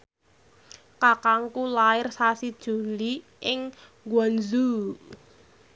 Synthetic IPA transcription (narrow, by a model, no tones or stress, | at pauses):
kakaŋkulaɪrsasid̥ʒ̥ṳli | ʔɪŋ | ɡwɔnzu